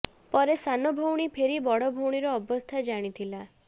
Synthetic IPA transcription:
pɔɾesanɔbʱɔwɽ̃ipʰeɾibɔɽɔbʱɔwɽ̃iɾɔːbɔst̪ʰad͡ʒaɽ̃it̪ʰila

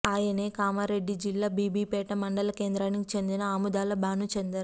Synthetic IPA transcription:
aːjɐneːkaːmaːɾe̞ɖːid͡ʒilːaːbiːbiːpɛːʈɐmɐɳɖɐlɐke̞ːnd̪ɾaːnikit͡ʃe̞nd̪inɐaːmud̪aːlɐbaːnut͡ʃend̪ɐɾu

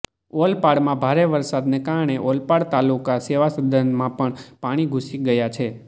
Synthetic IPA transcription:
olpaɽmãbʱaɾeʋəɾsad̪nekaɾɳ̃eʔolpaɽt̪alukaseʋasəd̪ʱənmãpəɳpaɽ̃iɡʱusiɡəjat͡ʃʰe

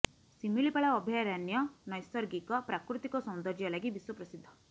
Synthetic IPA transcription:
similipaɭaɔbʱjajɾanjɔnɔjsɔɾɡikɔpɾakɾut̪ikɔsɔwnd̪ɔɾd͡ʒjɔlaɡibiswɔpɾɔsid̪ʱːɔ

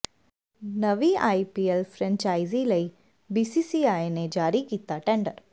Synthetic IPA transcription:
nəʋiajipielfʰɾɛ̃ɲt͡ʃaiziləi | bisisiajned͡ʒaːɾikit̪aʈẽɳɖəɾ

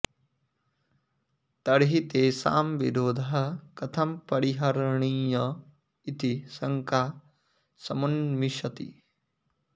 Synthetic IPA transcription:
t̪ɐɽɦit̪eːsa̰ːmʋiɾoːd̪ʱɐɦɐkɐt̪ʰɐmpɐɽiɦɐɾɳiːjɐ | it̪isɐŋkaː | sɐmɐnmiʃɐt̪ḭ

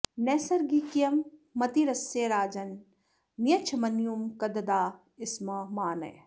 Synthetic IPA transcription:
neːsɐɾɡiːkijɐmːɐt̪iɾɐseːɾaːd͡ʒɐn | mijɐt͡ʃʰɐmɐnjumkɐd̪ɐd̪aː | ɪsmɐmaːnɐ̰j

